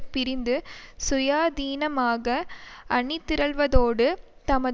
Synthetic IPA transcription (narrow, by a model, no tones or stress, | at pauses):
pːɪɾɪnd̪ɯsʊjaːd̪iːnɐmaːɣɐɐɳɪt̪ːɪɾɐɭʋɐðoːɽɯ | t̪ɐmɐ